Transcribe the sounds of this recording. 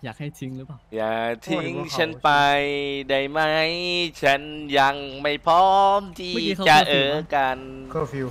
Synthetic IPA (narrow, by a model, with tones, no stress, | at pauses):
jaː˨˩k̚ha˥˩jt̪ʰi˨˧˦ŋɯ˦˥a˨˩jaː˨˩t̪ʰi˧˦˥ŋt͡ɕʰa˦˥npa˧jda˧˩jma˦˥jt͡ɕʰa˦˥nja˧ŋma˥˩jpʰɔː˦˥mt̪ʰiː˧˩t͡ɕa˧ʔɤː˨˩ka˧nʰ˥ | fi˧